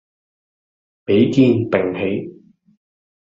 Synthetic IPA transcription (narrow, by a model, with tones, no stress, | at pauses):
pe˨˥jkiː˧np̪ɪ˨˩ŋɦe˨˥j